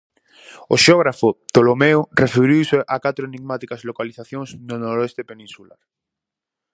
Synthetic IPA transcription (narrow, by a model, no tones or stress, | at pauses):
oʃeoɣ̞ɾafot̪olomeorefeɾiwseʔakat̪ɾoeniɣmat̪ikazlokaliθaθjõŋsnonoɾoest̪epenĩnsula̰ɾ